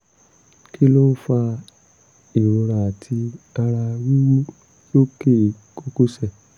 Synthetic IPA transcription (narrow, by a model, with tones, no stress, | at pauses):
kʰi˦lo˦fa˧ | i˨ɾo˨˧ɾa˨a˨tʰi˧a˧ɾa˧wi˦mũ˦ | jo˦ke˦˨ | ko˦ku˦sɛ˦˨